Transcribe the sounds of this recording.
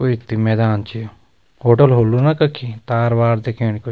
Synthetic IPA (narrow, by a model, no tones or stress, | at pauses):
oit̪ːimeːd̪aːnt͡ʃijo | hoːʈɐlɦolːunɐkɐkʰːit̪aːɾʋaːɾd̪ekʰẽniko